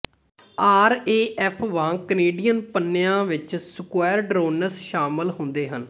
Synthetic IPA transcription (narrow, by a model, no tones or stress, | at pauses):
aːɾeːʔɛpʰʋãːkəneːɖijənpənːɪjãːʋɪt͡ʃsəkwɛːɾɖɾoːnəsʃaːmɪlɦʊ̃nd̪eːɦən